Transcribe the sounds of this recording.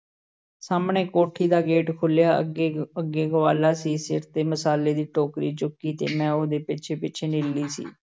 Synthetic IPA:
saːmɳeːkoːʈʰiːd̪aːɡeːʈkʰʊljaːəɡeːəɡːeːɡəʋaːlaːsiːsɪ̰ɾt̪eːməsaːleːd̪iːʈoːkɾḭːt͡ʃʊkːiːt̪ḛːmɛ̃ːoːd̪eːpɪt͡ʃʰeːpɪt͡ʃʰeːnɪlːiːsḭː

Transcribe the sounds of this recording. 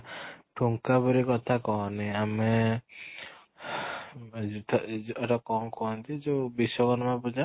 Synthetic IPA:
ʈʰuŋkabuɾikɔt̪ʰakɔɦniamɛ | t̪ʰɛʈɔkɔŋkɔant̪id͡ʒubisɔkɔnmabud͡ʒa

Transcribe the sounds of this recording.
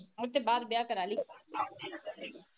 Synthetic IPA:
mʊɾt̪ebaːd̪bjaːkəɾaːliː

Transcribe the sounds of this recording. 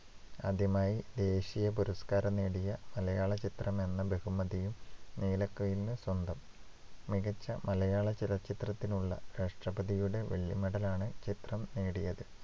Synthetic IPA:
ɐ̰d̪jɐmaːjid̪e̞ːɕijɐpuɾɐskaːɾɐneːɽijɐmɐlɐjaːɭɐt͡ɕit̪rɐme̞nːɐbe̞ɣumːɐðijumneːlɐkːɐjilnɨswɐnd̪ɐmː | iɣɐt͡ɕːɐmɐlɐjaːɭɐt͡ɕilɐt͡ɕːit̪rɐt̪ːinuɭːɐ̰ɾaːʂʈrɐbɐðijuɽe̞ʋḛɭːimɐɽɐlaːɳɨt͡ɕit̪rɐmneːɽijɐðɨ

